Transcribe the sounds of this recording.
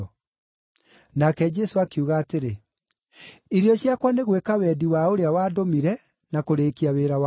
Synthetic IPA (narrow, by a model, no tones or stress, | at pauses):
nakɛd͡ʒɛsoakeuɣaːteɾe | iɾiɔɕjakwaneɣwekawɛdiwaoɾeawaːdomiɾɛ | nakoɾeːkiaweɾaw